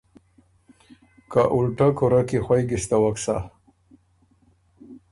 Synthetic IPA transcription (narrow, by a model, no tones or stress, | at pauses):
kaʔuɽʈakuɾakixwajɡɪst̪awaksa̰